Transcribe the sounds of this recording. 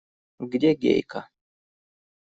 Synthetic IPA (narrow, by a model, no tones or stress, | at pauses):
ɡdʲeɡʲḛjka